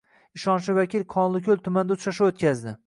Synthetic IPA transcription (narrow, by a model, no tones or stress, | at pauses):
ɪʃɒnʃɪvakʲilqʰɒnlˠɪkʲʰɵlˠt̪ʰʊmand̪aʊt͡ʃ̪ʰʃaʃaot̪kʲazd̪ɪ